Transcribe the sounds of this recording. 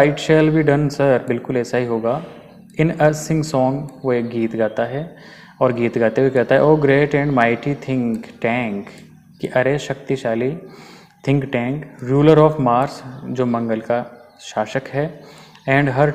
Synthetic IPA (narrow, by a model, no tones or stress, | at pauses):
aɪʈʃɛlbiːɖɐ̃nsɐɾbɪlkʊlɛːsaɦiɦoːɡaː | ɪnɐsɪ̃ŋɡsɔ̃ːŋɡʋoeːkɡiːt̪ɡaːt̪aɦɛ | ɔːɾɡiːt̪ɡaːt̪eʋekɛːt̪aɦɛ̰oːɡɾeːʈɛ̃ɳɖmaːɪʈit̪ʰɪ̃ŋkʈɛ̃ːŋkː | iʔɐɾeʃɐkt̪iʃaːli | t̪ʰɪ̃ŋkʈɛ̃ːŋkɾuːləɾɔːfmaːɾsd͡ʒoːmɐ̃ŋɡəlka | ʃaːʃəkɦɛːɛ̃ːɳɖɦɐɾ